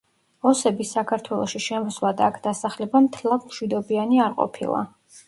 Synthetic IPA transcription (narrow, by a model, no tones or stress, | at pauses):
ɔsɛbisakʰaɾt̪ʰwɛlˠɔʃiʃɛmɔslˠad̪aːkʰd̪asaχlɛbamt̪ʰɛlˠad̪mʃwid̪ɔbianiaɾqʼɔ̰pʰḭlˠa̰